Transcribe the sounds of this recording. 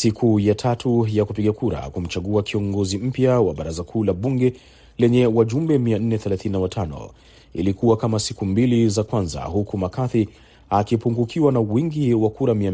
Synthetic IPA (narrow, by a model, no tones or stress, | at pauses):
sikʰujatʰatʰujakupiɠakuɾa̰kum̩t͡ʃaɠuakiɔŋɡɔzim̩pjawaɓaɾazakʰuːlaɓuŋɡɛ | lɛɲɛwaʄumbɛmian̩nɛθɛlaθininawatʰanɔ̰ | ḭlikuwakamasikumbilizakwanza̰ɦukumakaθi | akipuŋɡukʰiwanawiŋɡiwakuɾamiam